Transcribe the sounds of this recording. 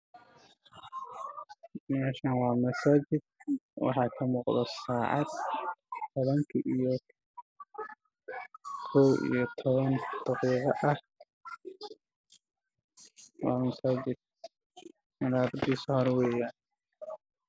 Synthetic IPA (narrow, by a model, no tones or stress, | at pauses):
mɛːʃɐnwɑːmɐsaːd͡ʒɪd̪̚wɑ̰ħɑːkʰɐmuːqðɔsaːʕɑ̰d̪t̪ʰɔβɐŋkʰɐʔijɔ | kʰɔwḭjɔt̪ʰɔβɐnd̪̥ɑqiːqɑʔɐh | wɑːmɐsaːd͡ʒɪd̪̚ | mɐɾaːbɪd̪iːsɔhɔɾwɛːjaːn